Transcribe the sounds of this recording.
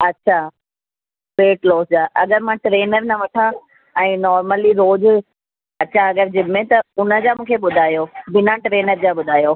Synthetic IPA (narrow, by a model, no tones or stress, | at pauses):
ɐtːɕʰa | ʋeːʈloːsd͡ʑaːʔɐɠəɾmãʈɾeːnəɾnɐʋɐʈʰã | ɛ̃ːnɔːɾməliɾoːd͡ʑ | ɐtːɕʰaɐɡəɾd͡ʑɪbʱɪmẽt̪ɐʊnə̆d͡ʑaːmũːkʰeɓʊd̪ʱaːjoːbɪnãʈɾeːnəɾd͡ʑaːɓʊd̪ʱaːjoː